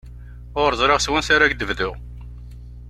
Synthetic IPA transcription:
ʊɾɾəzˤɾeʁswənsaɾaɡd̪əvðʊʁ

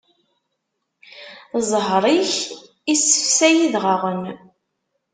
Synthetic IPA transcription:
zˤɦɾˤiç | isə̥fsæjiðʁaʁən

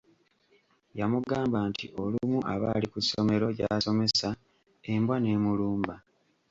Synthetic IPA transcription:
jamuɡaːmbantḭʔo̞lumuʔaβa̰likusːo̞me̞ɾo̞ɟa̰ːso̞me̞sa | e̞mbwane̞ːmuluːmba

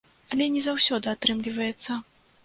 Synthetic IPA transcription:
ɐlʲɛnʲɛzawsʲɔd̪ɨat̪ɾɨmlʲivɐjɛt̪sːɐ

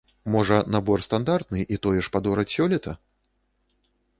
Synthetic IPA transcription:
mɔʐɐnabɔrst̪and̪art̪nɨʔit̪ɔjɛʂpad̪ɔɾɐt͡sʲsʲɔlʲɛt̪ɐ

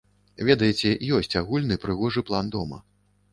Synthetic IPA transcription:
vʲɛd̪ɐjɛt͡sʲɛjɔsʲt͡sʲaɣulʲnɨpɾɨɣɔʐɨplˠand̪ɔmɐ̰

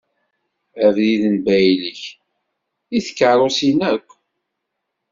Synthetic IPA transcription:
ævðiðənbæjləç | iθə̥kːəɾˤosinækʷː

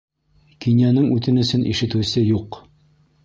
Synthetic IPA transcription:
kinʲjænɘŋʉt̪ɘnɵ̆sɘnʔḭʃɘ̆t̪ɘ̆sɘjuq

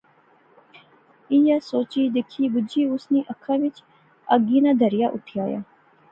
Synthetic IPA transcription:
ijasoːt͡ʃiːd̪ɪkʰiːbʊd͡ʒiːʊsniːʔɐkʰːãːʋɪt͡ʃ | ɐɡiːnad̪ʱəɾjaʔʊʈʰijaːja̰ː

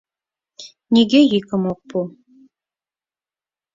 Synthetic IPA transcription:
nʲiɡejikə̆mok̚pu

